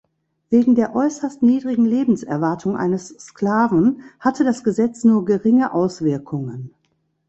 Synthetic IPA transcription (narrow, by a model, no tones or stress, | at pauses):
veːɡŋ̩deːɐʔɔʏsɐstniːdʁɪɡŋ̩leːbm̩sɛɐvaɐtʰʊŋʔa̰ɪnəsːkl̥aːvn̩hatʰədasɡ̥əzɛt͡snuːɐɡəʁɪŋəʔaʊsv̥ɪɐkʰʊŋən